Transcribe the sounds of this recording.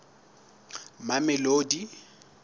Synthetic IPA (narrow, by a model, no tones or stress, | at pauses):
mamɛloːdi